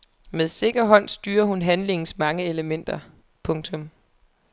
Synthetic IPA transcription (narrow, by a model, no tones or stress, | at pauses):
meðˠse̝ɡ̥ɐɦɒ̽n̰sd̥yːɐɦunɦænle̝ŋn̩smɑ̈ŋəe̝ləmen̰d̥ɐ | pʰɔ̽ŋt͡sʰɔ̽m